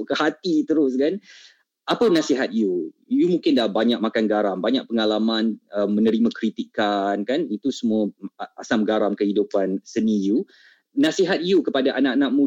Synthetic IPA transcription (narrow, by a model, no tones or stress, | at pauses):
ʔkəhat̪it̪əɾʊskan | ʔapənasiɦat̪̚ijujumũŋkɪndahbaɲãk̚makanɡaɾambaɲãʔ̚pəŋalamãnəmːə̃nəɾimakɾit̪ikːankanit̪usəmũəa̰samɡaɾamkəhidupansəniju | nãsiɦat̪̚ijukəpadaʔanaʔanãk̚mũ